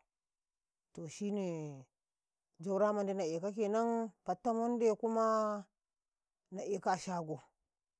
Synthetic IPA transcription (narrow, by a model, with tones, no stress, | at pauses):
to˨ʃi˦ne˨ | d͡ʒa˦wɾa˦ma˨nde˦na˨e˨ka˦ke˨na˦npa˨tːa˦mo˦n˦de˦ku˦ma˦ | na˨ʔe˨ka˦˨ʃa˦ɡo˨